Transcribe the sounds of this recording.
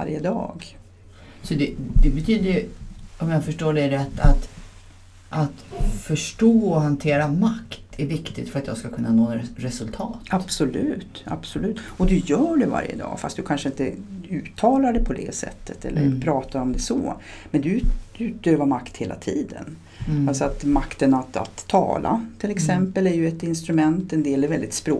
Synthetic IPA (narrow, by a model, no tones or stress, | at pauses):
a̰ɾjəd̪ɑ̰ːɡ | sɔd̪ɛd̪ɛbɛt̪ʰyːd̪əɾjɔmjɑːfœʂʈoːɖɛɖɛat̪ʰat̪ | ʔat̪fœʂʈoːɔɦant̪ʰeːɾamakt̪æɾvɪkt̪ɪt̪fœɾat̪jɑːɡskakʰɵnːanoːɾɛsɵlt̪ʰɑːt̪ab̥sɔlʉ̟ːt̪a̰b̥sɔlʉ̟ːt̪ːɔd̪ɵjœːɖɛva̰ɾjə̰d̪ɑ̰ːfast̪̚d̪ɵkʰanʂəɪnt̪əʉ̟ːt̪ʰːɑːlaɖɛpʰɔd̪ɛ̰sɛ̰t̪ʰːət̪ɛ̰lːə̰ɾpʰɾɑːt̪aɔmd̪ɛsɔ̰mɛnd̪ɵʉ̟ːt̪̚øːvamakt̪heːla̰t̪ʰiːd̪ə̰n | alsɔat̪makt̪ənat̪a̰t̪ʰːɑ̰ːlʔa̰t̪ʰɪlɛksɛmpəlæɾjɵɛt̪ɪnst̪ɾɵmɛnt̪ɛnd̪eːlɛɾvɛld̪ɪt̪spɾoː